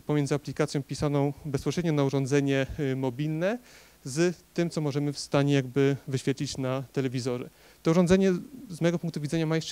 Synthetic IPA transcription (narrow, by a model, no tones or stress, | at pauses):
pɔmʲjɛnzɨaplʲikat̪sʲjɔ̃w̃pʲisanɔ̃w̃bɛspɔɕɾɛd̪ɲɔnauʐɔ̃nd̪zɛɲɛmɔbʲilnɛ | zt̪ɘmt̪sɔmɔʐɛmɘfst̪aɲɛjaɡbɘvɘɕfʲjɛt̪lʲit͡ɕnat̪ɛlɛvʲizɔʐɛ | t̪ɔuʐɔ̃ndzɛɲɛzmɔjɛɡɔpuŋk̚t̪uvʲid̪zɛɲamajɛ